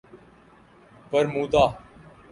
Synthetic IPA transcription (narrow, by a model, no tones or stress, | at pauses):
pəɾmuːd̪aː